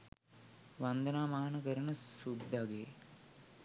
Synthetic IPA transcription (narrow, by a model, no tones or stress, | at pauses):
ʋand̪ənaːmaɦanəkəɾənəsud̪ʱːaɡeː